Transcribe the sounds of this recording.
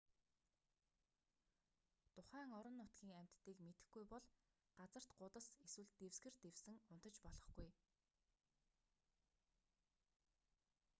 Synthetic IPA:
t̪ʊχæːŋɔɾɞ̆nːʊt̪ɡʲiːŋæm̥ʲt̪ːiːkmet̪ɘ̆xɡujpɔɮ | ɢ̥at͡sə̆r̥t̪ɢʊt̪ə̆seswɘ̆ɮt̪ewsɡɘ̆rt̪ewsɘ̆ŋʊnt̪ə̆t͡ɕpɔɮɞ̆χɡ̥uj

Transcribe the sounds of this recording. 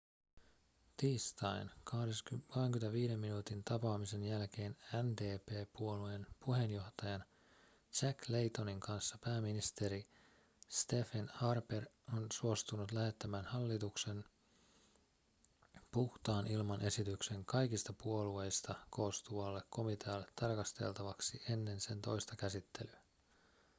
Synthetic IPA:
t̪iːst̪ɑjnkɑheskoheŋk̟yment̪æʋiːde̞mːinuːt̪int̪ɑpɑːmise̞njælk̟e̞ːnænd̪eːpe̞ːpuo̞lue̞npuɦe̞njo̞ht̪ɑjɑn | t͡ʃækle̞jt̪o̞niŋkɑnsːɑpæːmːinist̪e̞ɾi | st̪e̞fenhɑrper | onsuo̞st̪unut̪læhe̞t̪ːæmænhɑlːit̪ukse̞n | puht̪ɑːnilmɑnʔe̞sit̪ykse̞ŋkɑjkist̪ɑpuo̞lue̞jst̪ɑko̞ːst̪uʋɑlːekko̞mit̪ʰeɑlːet̪ʰːɑrkɑst̪e̞̰lt̪ɑʋɑksiʔe̞nːe̞nse̞nt̪o̞̰jst̪ɑkæsit̪ːe̞lyæ

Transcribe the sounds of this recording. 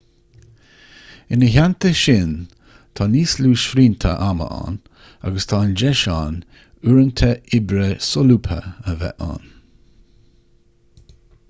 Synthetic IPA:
ɪnəɦant̪əʃɪn | t̪ʰɑːniːsluːʃfɾiːnt̪ʰə̰ʔamə̰ʔa̰ːn | a̰ɡəst̪ʰɑːnd͡ʒɛʃaːn | uɾənt̪ʰəɪbɾəsɔluːpʰə̰əvɛ̰ʔa̰ːn

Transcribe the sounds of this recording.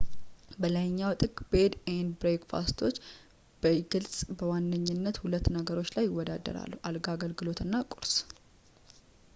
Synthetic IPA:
bələjɲːawt̪ʼɨkʼbed̪enbɾekfa̰st̪ʰo̞t͡ʃː | b̥əɡɨlsʼbəwanːɨɲːɪnːət̪hulət̪ːnəɡəɾo̞t͡ʃːlajːɪwːɔd̪ad̪ːə̰ɾa̰lːuʔalɡaɡəlɡɨlo̞t̪ɨnːakʼuɾs

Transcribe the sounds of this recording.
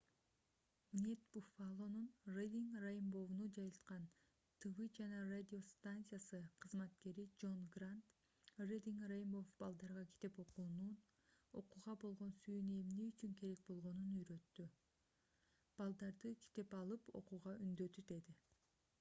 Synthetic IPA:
mnʲet̪bufalˠo̞nunred̪ʲiŋkrajmbo̞vnud͡ʒɑjɯlˠt̪qɑn | t̪ʰɨvɯd͡ʒɑnɑrad̪ʲio̞st̪ant̪sɨjasɯqʰɯzmɑt̪ke̞ɾid͡ʒo̞nɡrant̪ | red̪ʲiŋkrejmbo̞fb̥ɑlˠd̪ɑɾʁɑkʰi̥t̪e̞po̞quːnun | o̞quʁɑbo̞lˠʁo̞nsyjyne̞mneyt͡ʃyŋke̞ɾe̞k̚bo̞lˠʁo̞nunøjɾø̞t̪ːy | b̥ɑlˠd̪ɑɾd̪ɯkʰi̥t̪e̞pɑlˠɯpo̞̰quʁɑʔynd̪ø̞t̪yd̪e̞d̪i

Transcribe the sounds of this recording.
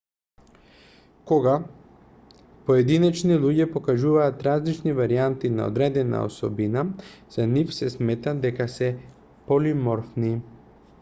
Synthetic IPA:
koɡa | poɛd̪inɛt͡ʃnilˠuɟɛpokaʒuvaːt̪ɾazlit͡ʃnivaɾiant̪ina̰o̰d̪ɾɛd̪ɛna̰o̰sɔbinaz̥anifsɛsmɛt̪ad̪ɛkasɛ | polimɔɾfni

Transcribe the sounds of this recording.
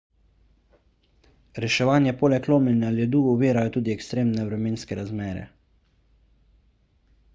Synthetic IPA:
ɾɛʃɛʋaːnjɛpoːlɛkloːmlɛnjaljɛd̪uːɔʋeːɾajɔt̪uːd̪iɛkst̪ɾeːmnɛʋɾɛmeːnskɛɾazmɛːɾɛ̰

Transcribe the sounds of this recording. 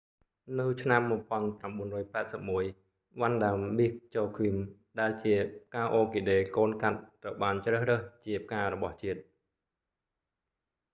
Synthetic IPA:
nɨwt͡ɕʰnamːŭəpŏənpramɓuənrɔːjpaɛt̪̚səp̚muəj | ʋanɗamɓik̚t͡ɕoːkʰwim | ɗaɛlt͡ɕiəpkaːʔoːkiɗeːkoːnkat̪̚ːrəwɓaːnt͡ɕrəːhrəht͡ɕiəp̚ʰkaːɾɔɓɑht͡ɕiət̪̚

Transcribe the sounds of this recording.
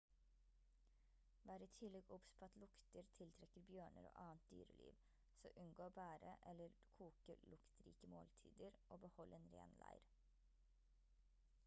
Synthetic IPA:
ʋæːɾiːt̪ʰɪlɛɡʊpspʰoːɑt̪lʊkt̪əɾt̪ʰɪlt̪ʰɾɛkəɾbjøːɳə̰ɾo̰ːʔɑːənt̪̚d̪y̰ːɾəlḭːʋ | soːʔʉnɡoːbæːɾə̰ʔɛlːəɾkʰuːkəɾlʊkt̪ɾḭːkəmo̰ːlt̪ʰḭːd̪əɾʔoːbəhɔlʔeːnɾḛːnlæ̰ɪɾ

